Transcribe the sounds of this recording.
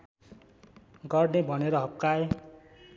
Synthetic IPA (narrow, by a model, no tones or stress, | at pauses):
ɡʌrnebʱʌneɾʌɦʌp̚kaj